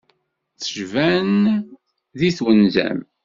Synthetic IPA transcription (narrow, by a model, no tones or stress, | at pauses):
θəʒvæn | ðiθwənzæ̰m